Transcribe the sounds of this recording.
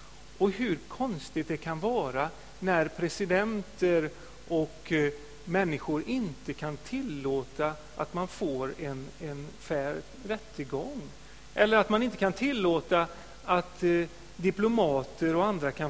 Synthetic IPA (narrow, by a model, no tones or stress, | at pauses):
ɔɦɵɾkʰɔnst̪ɪɡt̪̚d̪ɛkʰanvɑːɾa | næɾpʰɾɛsɪd̪ɛnt̪əɾ | ʔɔk | mɛnːɪɧʊɾɪnt̪əkʰant̪ʰɪlːoːt̪a | ʔa̰t̪manfoːɾɛnɛnfæːɾ | ɾɛt̪ːəɡɔŋː | ʔɛlːəɾat̪manɪnt̪əkʰant̪ʰɪlːoːt̪a | at̪ | d̪ɪplʊmɑːt̪əɾɔand̪ɾakʰa